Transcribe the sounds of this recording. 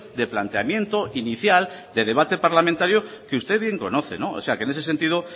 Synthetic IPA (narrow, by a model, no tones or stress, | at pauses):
d̪e̞plant̪eamje̞nt̪oʔiniθjald̪e̞ð̞e̞β̞at̪e̞paɾlamẽnt̪aɾjokeust̪e̞βje̞ŋko̞no̞θe̞̰no̞o̰se̞akene̞s̬ese̞nt̪ið̞o